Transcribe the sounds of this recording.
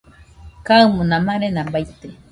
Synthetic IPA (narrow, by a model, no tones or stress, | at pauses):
kaɨmũnãmaɾenãmbajt̪e